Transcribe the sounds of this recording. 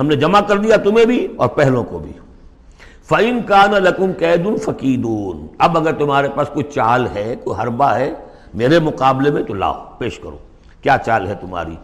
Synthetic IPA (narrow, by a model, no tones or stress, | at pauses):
ɦɐmned͡ʒɐmakɐɾd̪ijat̪ʊmẽbʱiɔ̰ːɾpɛɦlõko̰bʱḭ | fɐɪnkaːnalɐkʊmkɛːd̪ʊnfɐkiːd̪uːnɐbɐɡəɾt̪ʊmɦaːɾepaːskoit͡ʃaːlɦɛkoɦɐɾbaɦɛ | meːɾemʊqaːblemẽt̪ola̰ːopeːʃkɐɾo̰ː | kjaːt͡ʃaːlɦɛt̪ʊmɦa̰ːɾḭ